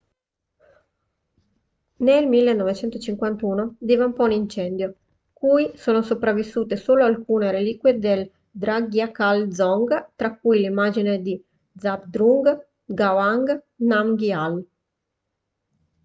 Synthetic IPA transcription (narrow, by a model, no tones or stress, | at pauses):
nelmilːenːɔvet͡ʃɛnt̪ot͡ʃiŋkwant̪uːnod̪iːvaumpɔunint͡ʃɛnd̪jo | kujsoːnosopɾavːisːuːt̪esoːloalkuːneɾeliːkwed̪el | d̪ɾaɡjakald̪zɔŋɡt̪ɾakːujlimːaːd͡ʒined̪i | d̪zabd̪ɾuŋɡ | ɡawaŋɡ | namɡial